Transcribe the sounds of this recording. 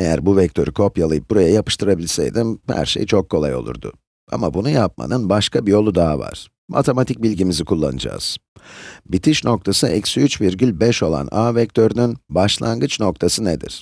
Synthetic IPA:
ejæ̰ɾbuvɛc̚t̪ʰø̞ɾykʰo̞pjalˠajɯp̚buɾajajapɯ̥ʃt̪ʰɯɾabilʲsḛjd̪imhæ̰ɾʃe̞̰jt͡ʃʰokʰːo̞lˠa̰jo̞̰lˠṵɾd̪ʊ̰ | a̰mabunujap̚ma̰nɯnbaʃkʰabijo̞lˠud̪aɦava̰ɾ̥ | mʔa̰t̪ʰe̞mat̪ʰic̚bilʲɟimizikʰulˠːa̰nɯd͡ʒa̰ːz̥ | bit̪ʰiʃno̞k̚t̪ʰasɯʔɛcsyyt͡ʃviɾɟylʲbɛʃo̞lˠa̰naːvɛct̪ʰø̞ɾynynbaʃlˠanɡɯt͡ʃno̞kt̪ʰasɯned̪ḭɾ̥

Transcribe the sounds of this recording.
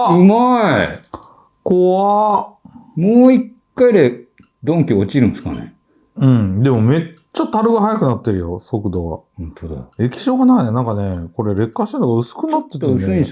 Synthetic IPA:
aɯmai | koa | moːikːaid̪e̞ | d̪õ̞ŋkʲiot͡ɕiɾɯ̟̃nsɨ̥ka̰nḛ | ɯ̟̃ɴd̪e̞mo̞me̞t͡ɕːat̪aɾɯ̟ɡaɦajakɯ̟nat̪ːe̞ɾɯ̟joso̞kɯ̟d̪o̞ɡa̰hõnt̪ʰod̪a̰e̞kʲi̥ɕo̞ːɡanainãŋkane̞ko̞ɾe̞ɾe̞kːaɕi̥t̪enoɡaɯ̟sɨ̥kɯ̟nat̪ːet̪eɯsĩ

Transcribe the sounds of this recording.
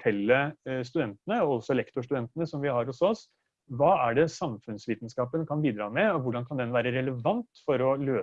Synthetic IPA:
ʈʰɛlːəst̪ʉd̪ɛnt̪ənəɔɔsɔɛlɛkt̪ʊʂʈ̪ʉd̪ɛnt̪ənəsɔmʋɪhɑɾhʊsɔs | ʋɑːæɖɛsɑmfʉnsʋiːt̪nskɑːpənkʰɑnbiːd̪ɾɑ̰ːmɛɔʋʊɖɑnkʰɑnd̪ɛnʋæːɾəɾɛləʋɑnt̪fɔɾɔløː

